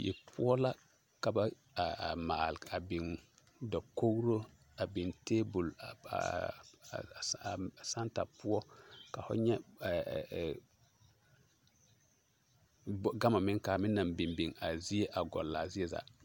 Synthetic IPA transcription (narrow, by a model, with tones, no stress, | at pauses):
jɛ̰˨pʊ˦ɔ˦la˦ | ka˨ba˦ | a˨maː˨la˨bɪ˨ŋ | dɔ˨ko˦ɡɾo˦ | a˨bɪ˨nteː˦bu˨la̰˨ | sa˦nta˨pʊ˦ɔ˦ka˨fʊ̰˦ɲɛ˦˨ | ɡa˦ma˨mɪ˦ŋka˨mɪ˦nːa˨mbi˨mbi˨ŋa˨zi˦e˦ʔa˨ɡɔ̰˨lːa˨zi˦ɛ˦za̰˨